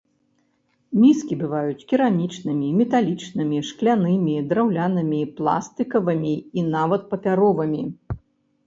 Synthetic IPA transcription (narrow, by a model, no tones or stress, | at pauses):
mʲiskʲibɨvajut͡sʲkʲiɾamʲit͡ʂnɨmʲimʲɛt̪alʲit͡ʂnɨmʲiʂklʲanɨmʲid̪ɾawlʲanɐmʲiplˠa̰st̪ɨkɐvɨmʲiːnavɐt̪̚pɐpʲaɾɔvɨmʲi